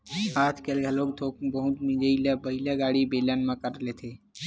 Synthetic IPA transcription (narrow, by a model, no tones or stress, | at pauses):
at̪kelɡʱəlokt̪ʰok̚bəɦũt̪mĩd͡ʒəiləbəɦilaɡaɽibelanmãkəɾlet̪ʰe